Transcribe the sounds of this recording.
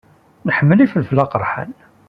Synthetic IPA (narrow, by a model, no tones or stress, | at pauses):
nəħəmːəlifəlflɑqɾˤħa̰n